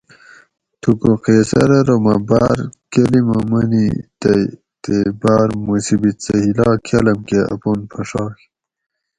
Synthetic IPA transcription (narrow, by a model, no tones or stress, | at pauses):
t̪ʰukoqesɐ̰ɾɐɾomabaːɾkelimomɐnit̪ɐ | t̪ebaːɾmusibit͡sɐhilɑːkʰɐlɐmkeɐ̰punpʰɐʂɑːk